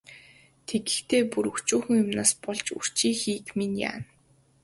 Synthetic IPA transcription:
t̪ʰeɡɘ̆xt̪ʰeːpuɾɵkt͡ɕuːxɘ̆ŋjʊmnaːspɔɮt͡ɕṵr̥t͡ɕiːxiːkminja̰ːn

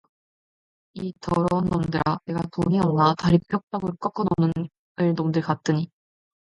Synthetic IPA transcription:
itʌɾʌunːomdɯɾaneɡatoɲiʌnataɾipʰjʌk̚t͈aɡɯɭk͈ʌk͈ʰʌnonɯn | ɯɭnomdɯɭkat͈ɯɲi

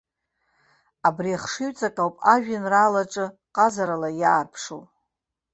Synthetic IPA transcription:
abriaχʂiɥt͡sʼakʼawpʼaʒᶣɪnralaʈ͡ʂʼɨqʼazaɾalajaːrpʰʂo̰w

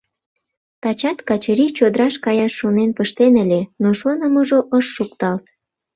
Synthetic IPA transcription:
t̪ɑt͡ɕɑt̪kɑt͡ɕəɾit͡ɕod̪əɾɑʃkɑjɑʃːonenpəʃt̪enəlʲenoʃonəməʒoʔəʃːukt̪ɑlt̪

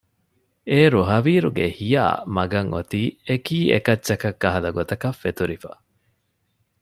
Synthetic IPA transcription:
eːɾuɦɐʋiːɾuɡehija̰ːmɐɡɐŋʔo̰t̪iːekiːḛkɐtːt͡ʃːɐkɐkːɐɦɐlɐɡot̪ɐkɐfːet̪uɾifa̰

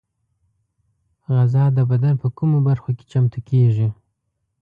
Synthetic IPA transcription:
ɣazɑd̪əbad̪anpəkumobaɾxoke̥t͡ʃamt̪ukʰeʐi

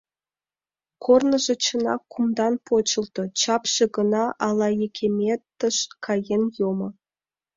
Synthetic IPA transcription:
kʰornɤ̆ʒĕt͡ɕə̆nɑ̰kːumd̪ɑnpot͡ɕɤ̆lˠt̪ɤ̆t͡ɕɑpɕĕɡɤ̆nɑʔɑlˠɑjekʲʰemʲet̪ːə̆ʃkʰɑjenjomɤ̆

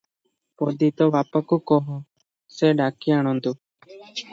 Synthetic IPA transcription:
pɔd̪it̪ɔbapakukɔɦɔ | seɖakiaɽ̃ɔnd̪u

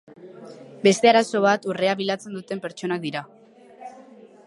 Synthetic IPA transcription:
be̞st̪e̞aɾaso̞β̞at̪ure̞aβilat͡se̞nd̪ut̪e̞mpe̞ɾt͡ʃo̞nak̚d̪iɾa

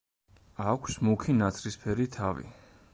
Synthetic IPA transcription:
akʷʰsmukʰinat̪sʰɾispʰɛɾit̪ʰavḭ

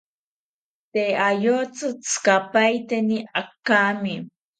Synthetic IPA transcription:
t̪eajot͡sɨt͡skapajt̪eniakːami

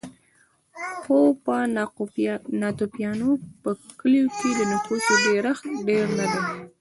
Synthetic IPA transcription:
xopa | nɑt̪opjɑnopəkəljokʰed̪ənat̪osoɖeɾaxɖeɾnad̪a

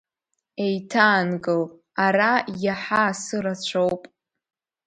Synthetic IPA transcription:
e̞jtʰaːnɡɨl | arajaħasɨɾat͡ɕʷʰo̞wpʼ

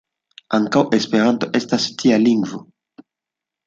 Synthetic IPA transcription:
aŋkawʔe̞spe̞ɾanto̞ʔe̞stastʰialiŋɡvo̞

